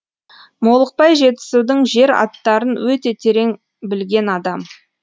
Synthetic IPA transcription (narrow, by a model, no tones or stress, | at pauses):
mo̞lˠəq̚pɑjʒe̞t̪ɪ̥sud̪əɴʒe̞ɾɑ̰t̪ːɑɾənwɵt̪e̞t̪ʲʰeɾe̞ŋ | bɪlɡʲe̞nɑd̪ɑm